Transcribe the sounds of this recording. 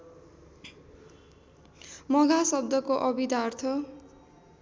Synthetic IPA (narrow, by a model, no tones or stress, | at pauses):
mʌɡʱasʌb̚d̪ʌkoʔʌbid̪art̪ʰʌ